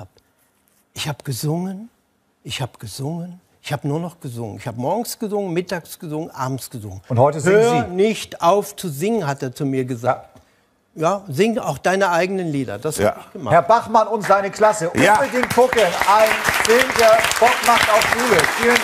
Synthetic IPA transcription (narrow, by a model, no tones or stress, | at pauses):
aːp | ʔɪçhaːbəɡ̥əzʊŋən | ʔɪçhaːbəɡ̥əzʊŋən | ɪçhaːbənuːɐnɔχɡ̥əzʊŋə̰nɪçhaːbəmɔɐɡŋ̩sɡ̥əzʊŋənmɪtaːksɡ̥əzʊŋənʔa̰ːbm̩sɡ̥əzʊŋənʊnthɔʏtəzhøːzinɪçtʔaʊft͡suzɪŋənɦateːɐt͡sumiːɐɡəza | jaːzɪŋʔa̰ʊxd̥aɪnəʔaɪɡənənliːdɐ̰d̥ashaəɪçɡ̥əmahɛɐbaχmanʊntz̥aɪnəkʰl̥asəʔʊədeːmkʰʊkənʔaɪnfɪlmdeːɐb̥ɔkmaχtaʊfuːbəʃfiːən